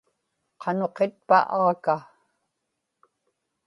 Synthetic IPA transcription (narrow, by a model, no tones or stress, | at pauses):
qʰɑno̞qet̪̚paʔɑʁka